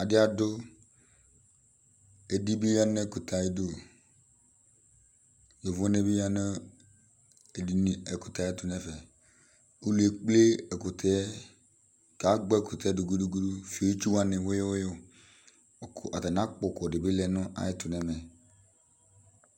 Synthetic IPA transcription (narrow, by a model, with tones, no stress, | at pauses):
a˨dɪ˦a˨dʊ˦ | e˨di˦bi˦ja˦nɛ˦˨kʊ˨tʰa˨je˦do˨ | jo˨vʊ˦ne˦bi˦ja˦nɛ˦˨ | di˨n˨ɛ˨kʊ˨ta˨ɛ˦tʊ˨nɛ˦fɛ˨ | u˦lu˨e˨k͡ple˦ɛ˨kʊ˨tʰɛ˨˦ | ka˨˦ɡ͡bɛ˦kʊ˨tɛ˨˦du˨ɡu˨˦du˦ɡu˦du˦fi˨o˨˦t͡ʃi˦wa˨nɪ˨wo˦jo˦wjo˦˨ | kʔa˨ta˨n˨a˦k͡pʊ˨kɔ˨dɪ˨bɪ˦lɛ˦˨nʊ̃˦ʔa̰˨jɪ˦tʊ˨nɛ˨mɛ˨